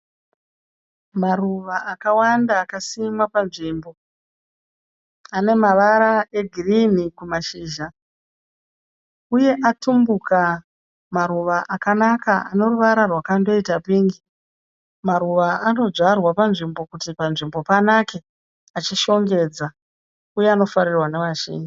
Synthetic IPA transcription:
maruʋaakawandaːkasimapanʐiːmbo̞ | ane̞maʋaɾaʔe̞ɡʱirinikumaʃiːʒa | uje̞ʔatumbuka | maɾuʋaʔakanakaane̞ruʋaɾarwakando̞itapiːŋɡi | maɾuʋaano̞ʐarwapanʐimbo̞kutipanʐimbo̞panake̞ | at͡ʃiʃo̞ŋɡe̞ːd͡za | ujeano̞faɾirwane̞ʋaʃḭːɲi

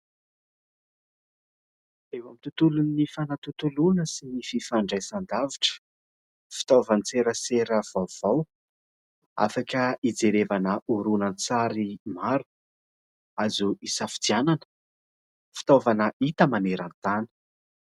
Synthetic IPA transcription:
ewamit̪ut̪ulunifanat̪ut̪ulunəsinififaɳɖ͡ʐajsand̪aviʈ͡ʂə̥ | fi̥t̪ovant͡seɾəseɾəv̥awv̥aw | a̰fakəid͡zeɾevanəʔuɾunənt͡saɾimaɾu̥ | azuʔisafi̥d̪iananə̥ | fi̥t̪ovanəʔit̪əmaneɾant̪anə̥

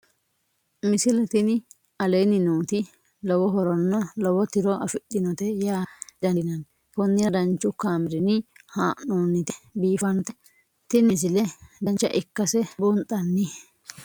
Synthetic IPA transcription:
mɪsɪlɐt̪ɪnɪ | ɐleːnɪnuːt̪ɪ | lɔwɔɦɔɾɔnːɔlɔwɔt̪ɪɾɔʔɐfɪɗːɪnɔt̪ɛjaːd̪ɐnɐn | pɔnːɪjɐd̪ɐnt͡ʃːʊkaːmɪɾɪnɪhaːʔnoːnːɪt̪ɪ̥biːfɐnt̪ɛ | t̪ɪnɪsɪlɛd̪ɐnt͡ʃːɐ̰ʔɪkːɐsɛbont̪ʼɐnːɪ

